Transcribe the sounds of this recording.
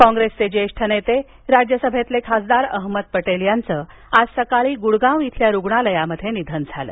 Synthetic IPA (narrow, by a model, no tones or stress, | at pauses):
kɔ̃ŋɡɾest͡sed͡ʑeʂʈʰənet̪e | ɾad͡ʑjəsəbʱet̪lekʰasd̪aɾəɦməd̪̚pəʈeljant͡səː | ad͡zsəkaɭiːɡuɽɡãwit̪ʰljaɾuɡɳaləjaməd̪ʱːjenid̪ʱənd͡zʱalə̰